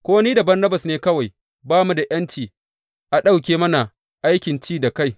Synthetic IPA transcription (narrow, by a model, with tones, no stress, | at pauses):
kʷoː˦wniː˦da˨bɐ˦rnɐ˦bɐ˨sneː˦kɐ˦wa˨j | baː˦mu˨˦da˨ʔɐ˦nt͡ʃiː˨ | ʔa˨ɗa˦wkʲeː˨˦mɐ˦na˨ | ʔa˦jkʲɪ˨nt͡ʃiː˦da˨ka˦˨j